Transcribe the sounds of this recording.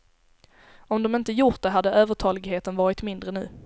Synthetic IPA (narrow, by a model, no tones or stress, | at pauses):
ɔmd̪ɔmɪnt̪əjʊʈ̚d̪ɛɦad̪ːəʔøːvəʈʰɑːlɪɡɦeːt̪ənvɑːɾɪt̪mɪnd̪ɾənʉ̟̰ː